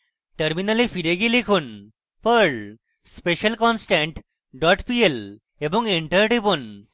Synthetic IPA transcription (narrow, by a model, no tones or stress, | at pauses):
ʈəɾminalifiɾeɡelikʰuːn | pəɭ | speɕəlkɔnsʈẽɳʈ | ɖɔʈpiel | ebõŋɡiɳʈəɾʈipun